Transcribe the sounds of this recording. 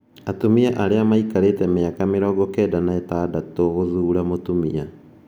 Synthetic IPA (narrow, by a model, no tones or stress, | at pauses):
atomiaʔaɾeamaikaɾetɛmeakameɾɔːɡɔkɛːdanaɛtaːdatoɣoðuːɾamotumia